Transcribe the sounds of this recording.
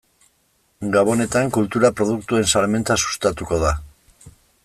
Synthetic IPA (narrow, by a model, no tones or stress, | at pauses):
ɡaβo̞ne̞t̪aŋkult̪uɾapɾo̞ð̞ukt̪ue̞nsalme̞nt̪asu̥st̪at̪uko̞ð̞a